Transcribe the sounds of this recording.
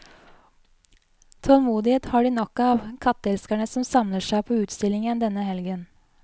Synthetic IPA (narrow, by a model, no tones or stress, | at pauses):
t̪ʰɔlmuːd̪ɪheːt̪hɑɖiːnɔkːɑːʋkʰɑt̪ːəɛlskæɳəsɔmsɑmləʂæɪpʰoːʉːt̪st̪ɪlɪŋənd̪ɛnəhɛlɡən